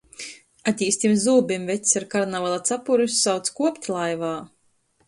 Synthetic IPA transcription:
at̪ʲiːst̪imzuːbimvɛt̪ʲsaɾkaɾnavalˠat̪sapuɾusːawt̪skuɔpʲt̪ʲlˠajvaː

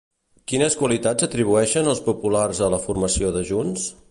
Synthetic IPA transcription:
kinəskwəlit̪ad͡zət̪ɾiβuɛʃənəlˠspupularzələfurməsioðəʒuns

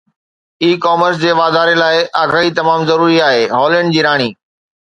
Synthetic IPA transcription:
iːkɔːməɾs̬d͡ʑeːʋaːd̪aːɾelaːɪʔaːɡaːɦit̪ɐmaːmzɐɾuːɾiaːɦeːɦɔːləɳɖd͡ʑiːɾaːɽ̃iː

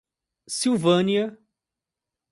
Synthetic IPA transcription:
siwvɐ̃niɐ

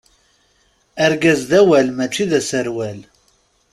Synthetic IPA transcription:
əɾɡæzðæwælmæt͡ʃːiðæsəɾwæl

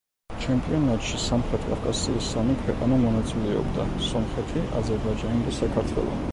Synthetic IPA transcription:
t͡ʃʰɛmpʼjɔnːɑt̪ʃʰisɑmχɛt̪ʰʼkʼɑ̰kʼɑsiisɑmikʰɛʔʼɑnəmɔnɛt͡sʰuliɔ̰kt̪ʼɑsɔmχɛt̪ʰiʔɑ̰zɛɾbɑd͡ʒɑnind̪ɛsɑkʰɑt̪ʰvɛ̰lˠɔ̰n

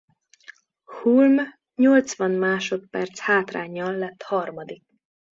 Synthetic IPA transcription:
hulm | ɲo̞lt̪sʋɒnmaːʃo̞t̪pɛrt̪shaːt̪raːɲːɒlːɛt̪ːhɒrmɒd̪ik̚

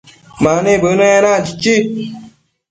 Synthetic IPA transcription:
manebənəanad͡ʒit͡ʃi

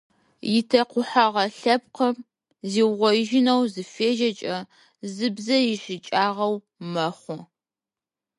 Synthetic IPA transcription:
jɪtʰɐqʷʊħaʁɐɬɐp̚qʰɐm | ziːwʁʷɔʒɪnɐwzɨfeːʒɐt͡ʃʼɐ | zɨbzɐjɪʃɪt͡ʃʼaːʁɐw | mɐχʷɔ

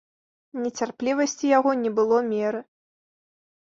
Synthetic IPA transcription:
nʲɛt͡sʲarplʲivɐsʲt͡sʲijaɣɔnʲɛbɨlˠɔmʲɛɾɨ

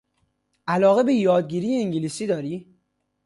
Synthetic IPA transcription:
ʔælɒːɣe̞bejɒːd̪̚ɟiːɾiːjeiŋɟiliːsiːd̪ɒːɾiː

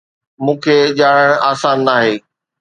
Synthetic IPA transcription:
mũːkʰeːʄaːɽəɽ̃aːsaːnːaːɦeː

